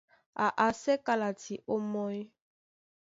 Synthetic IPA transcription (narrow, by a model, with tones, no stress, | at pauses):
a˨ʔa˨sɛ˦ka˨la˨tʰi˨ʔo˦mɔ˦j